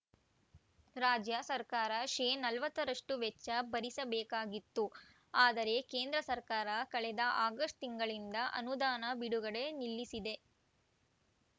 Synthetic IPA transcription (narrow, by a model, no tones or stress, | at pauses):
ɾaːd͡ʒjɐsɐɾkaːɾɐʃeːnɐlʋɐt̪ːɐɾɐʂʈuʋɛt͡ʃːɐbɐɾisɐbɛːkaːɡit̪ːu | aːd̪ɐɾe̞ke̞ːnd̪ɾɐsɐɾkaːɾɐkɐɭɛd̪ɐʔaːɡɐsʈt̪iŋɡɐɭind̪ɐʔɐ̰nud̪aːnɐbiɽuɡɐɽe̞nilːisid̪e̞